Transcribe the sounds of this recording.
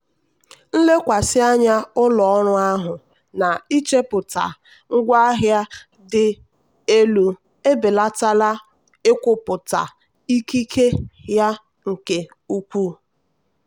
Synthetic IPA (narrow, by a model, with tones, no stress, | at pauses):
n̩˦le˦kʷa˨sɪ˦a˦ɲa˦ʊ˦lɔ˨ɔ˦ɾʊ˦a˦ɦʊ˨ | na˨i˦t͡ʃe˦pʊ˨ta̰˨ | ŋ̩˦ɡʷa˦ɦja˦ | dɪ˦ | e˦lu˨ | e˦bɪ˨la˦ta˦la˦ | ɪ˦kʷʊ˦pʊ˨ta̰˨ | i˦ki˦kʰe˦ja˦ | ŋ̩˨ke˨ | u˦kʷu˦